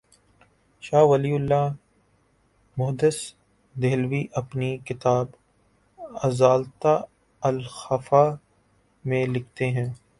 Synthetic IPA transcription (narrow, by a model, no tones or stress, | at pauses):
ʃaːʋɐliːʊlːa | mʊɦd̪ɪs | d̪eːlwiʔɐpnikɪt̪aːb | ɐzaːlt̪a | ɐlxɐfa | mẽlɪk̚ʰt̪eɦɛ̃ː